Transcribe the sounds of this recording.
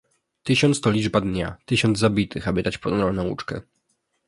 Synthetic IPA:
t̪ɘɕɔnt̪st̪ɔlʲid͡ʐbad̪ɲa̰t̪ɘɕɔnd̪zzabʲit̪ɘxabɘd̪at͡ɕpɔd̪nɾɔlnɛṵt͡ʂkɛ̰

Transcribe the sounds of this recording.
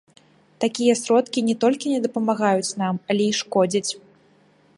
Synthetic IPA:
t̪akʲijɐsɾɔt̪kʲinʲɛt̪ɔlʲkʲinʲɛd̪ɐpɐmaɣajut͡sʲn̪amɐlʲɛiʂkɔd͡zʲit͡sʲ

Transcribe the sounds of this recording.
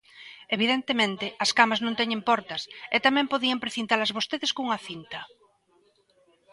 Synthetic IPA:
eβiðent̪emẽnt̪ɪɐskamaznõnt̪ɛɲẽmpɔɾt̪ɐset̪amɛ̃mpoðiɐmpɾeθint̪alɐzβost̪eðeskuŋɐaθint̪ɐ

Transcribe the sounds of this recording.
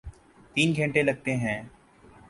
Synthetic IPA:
t̪iːnɡʱɛ̃ɳʈelɐɡ̚t̪eɦɛ̃ː

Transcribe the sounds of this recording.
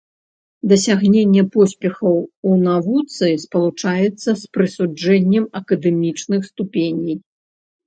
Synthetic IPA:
d̪ɐsʲaɣnʲenʲːɛpɔsʲpʲɛxɐwunavut̪sɨspɐlˠut͡ʂajɛt̪sːɐspɾɨsud͡ʐɛnʲːɛmɐkɐd̪ɛmʲit͡ʂnɨxst̪upʲenʲij

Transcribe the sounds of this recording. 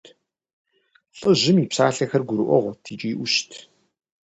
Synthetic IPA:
tʰ | ɬʼəʑɪmiːpsaːɬɐxɐrɡʷuɾʔʷɔʁʷɔtʰiːt͡ʃʼiːʔʷʊʃtʰ

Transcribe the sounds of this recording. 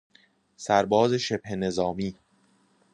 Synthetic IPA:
sæɾbɒːzeʃebhene̞zɒːmiː

